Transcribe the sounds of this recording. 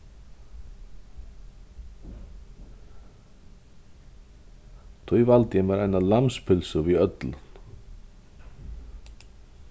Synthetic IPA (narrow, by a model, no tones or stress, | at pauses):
t̪ʰœjvalt̪jɛmɛɾejnalamspʰɪlsʏviœt̪lʏn̥